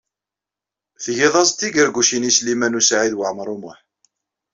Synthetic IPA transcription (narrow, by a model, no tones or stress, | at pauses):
θʝiðˤɑzˤt̪ːiɡəɾɡʷuʃinislimænusʕiðwəʕməɾˤumʊħ